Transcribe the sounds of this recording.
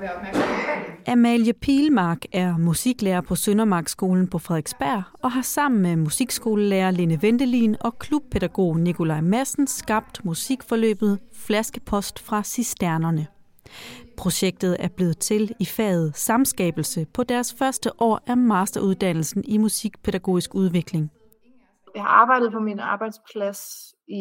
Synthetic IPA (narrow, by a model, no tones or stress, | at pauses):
ʔæmæljəpʰiːlmɑ̈ːɡ̥æɐmusiɡ̥leːɐpʰɒ̽sønɐmɑ̈ːɡ̥sɡ̥o̝ːln̩pʰɒ̽fʁɛðˠeɡ̥sb̥æɐ̰ɒ̽ɦɑ̈sɑ̈m̰n̩memusiɡ̥sɡ̥o̝ːləleːɐle̝nəʋend̥əlḭːnɒ̽kʰlub̥̚pʰe̝d̥æɡ̥o̝̰ːnikʰo̝lɑ̈ɪ̰mæsn̩sɡ̥ɑ̈b̥̚d̥musiɡ̥fɒ̽lø̰ːb̥ð̩ˠflæsɡ̥əpʰɒ̽sd̥fʁɑ̈sisd̥æɐnɐnə | pʰʁo̝ɕeɡ̥̚d̥ð̩ˠæɐb̥le̝ːð̞̩ˠt͡sʰe̝lifɛ̰ːð̞̩ˠsɑ̈msɡ̥ɛ̰ːb̥l̩səpʰɒ̽d̥æɐsfɶɐsd̥əʔɒ̰ːæɐmɑ̈ːsd̥ɐʔuð̞ˠd̥æn̰l̩sn̩imusiɡ̥̚pʰe̝ɾ̥æɡ̥o̰ːisɡ̥uð̞ˠʋe̝ɡ̥le̝ŋ | jɑ̈ɪhɑ̈ɑ̈ːb̥ɑ̈ɪd̥ð̩ˠpʰɒ̽minɑ̈ːb̥ɑ̈ɪd̥spʰlæs | i